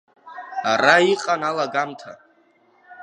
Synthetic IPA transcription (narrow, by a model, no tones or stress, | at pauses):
aɾaiqʼanalaɡamtʰa